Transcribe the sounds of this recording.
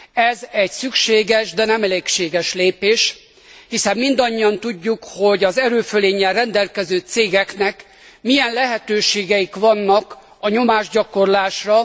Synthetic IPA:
ɛzɛɟsykʃeːɡɛʃd̪ɛnɛmɛleːkʃeːɡɛʃleːpeːʃ | hisɛmːind̪ɒɲːiɒnt̪uɟːukho̞ɟɒzɛɾøːføleːɲːɛlrɛnd̪ɛlkɛzøːt̪seːɡɛknɛk | mijɛnlɛɦɛt̪øːʃeːɡɛjikʋɒnːɒk | ɒɲo̞maːʒɟɒko̞rlaːʃrɒ

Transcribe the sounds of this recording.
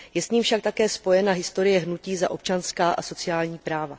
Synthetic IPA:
jɛsɲiːmfʃakt̪akɛːspo̞jɛnaɦɪst̪o̞ɾɪjɛɦnuciːza̰ʔo̞p̚t͡ʃanskaːʔaso̞t͡sɪjaːlɲiːpɾaːva

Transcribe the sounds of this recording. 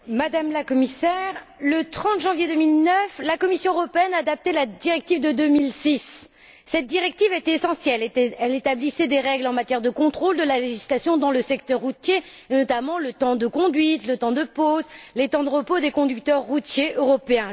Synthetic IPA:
mad̪amlakɔmisɛʁlət̪χɑ̃t̪ʒɑ̃vjed̪əmilnœflakɔmisjɔ̃øʁɔpeɛnaːd̪ap̚t̪elad̪iʁɛk̚t̪ivd̪əd̪ømilsisː | ɛt̪̚d̪iʁɛk̚t̪ivet̪ɛesɑ̃sjɛlɛlet̪ablisɛd̪eʁɛɡlɑ̃mat̪jɛʁd̪əkɔ̃t̪χold̪əlaleʒislasjɔ̃d̪ɑ̃ləsɛkt̪œʁːut̪je | nɔt̪amɑ̃lət̪ɑ̃d̪əkɔ̃d̪ɥit̪lət̪ɑ̃d̪əpozlet̪ɑ̃d̪əʁəpod̪ekɔ̃d̪ykt̪œʁːut̪jeʔøʁɔpeɛ̃

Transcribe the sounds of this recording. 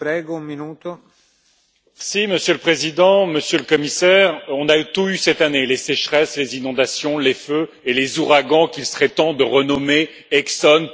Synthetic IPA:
pɾɛːɡoũmminuːt̪o | siməsjøləpχezid̪ɑ̃məsjøləkɔmisɛʁɔ̃nayt̪uysɛt̪anelesɛʃχɛslezinɔ̃d̪asjɔ̃lefø | elezuʁaɡɑ̃kʲilsəʁɛt̪ɑ̃d̪əʁənɔme | ɛksɔn

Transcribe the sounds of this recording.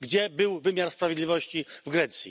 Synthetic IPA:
ɡd͡ʑɛbɘwvɘmʲjaɾspɾavʲjed̪lʲivɔɕt͡ɕivɡɾɛt̪sʲjḭ

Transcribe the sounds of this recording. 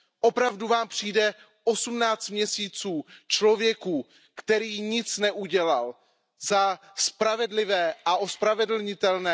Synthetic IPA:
ʔo̞pɾavduvaːmpr̝̥iːdɛ | ʔo̞sumnaːt͡st̪mɲɛsiːt͡suːt͡ʃlo̞vjɛkuː | kt̪ɛɾiːɲɪt͡snɛʔuɟɛlal | za | spɾavɛdlɪvɛːʔaʔo̞spɾavɛdl̩ɲɪt̪ɛlnɛː

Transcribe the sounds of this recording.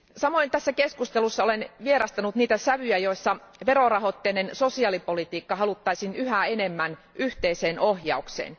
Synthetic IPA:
sɑmoint̪æsːækeskust̪elusːɑolenʋieɾɑst̪ɑnut̪niːt̪æsæʋyjæjo̞isːɑʋeɾorɑɦot̪ːeːnensosiɑːlipolit̪iːkːɑhɑlut̪ːɑisinyhæenemːæn | ʔyht̪eiseːnohjɑuksḛːn

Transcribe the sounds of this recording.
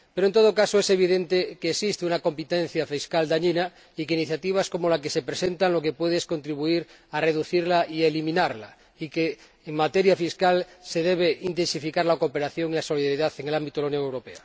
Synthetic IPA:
peɾoent̪oðokasoese̞β̞iðent̪ekeːsist̪eunako̞mpit̪en̟θjafiskald̪aɲina | ikeiniθjat̪iβ̞asko̞molakesepɾesent̪aŋlo̞kepweðeesko̞nt̪ɾiβ̞uiɾ | areðuθiɾlaielimĩnaɾla | ikeː | ŋmat̪eɾjafiskalseð̞eβ̞eʔint̪e̞nsifikaɾlakope̞ɾaθjo̞ŋilaso̞liðaɾiðaθeŋelambit̪oðaunjoŋewɾo̞pea

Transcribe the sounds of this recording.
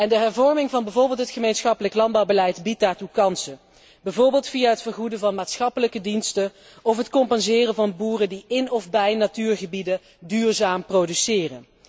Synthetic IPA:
ɛndəɦɛɹvɔɹmɪŋvɑnbɛjvoːɹbɪːlˠtɦətχəmejnsχɑpələklɑnd̚bɑwbəlɛjtbit̚daːɹtukɑnsə | bɛjvʊːɹbɪːlˠtfijaɦətfəɹχudəvɑnmaːtsχɑpələkədinstə | ɔfɦətkɔmpɑnzɪːrəvɑnbuːrəndiɪnɔvbɛjnatyːɹχəbidə | dyːrzaːmprodysɪːrə̰n

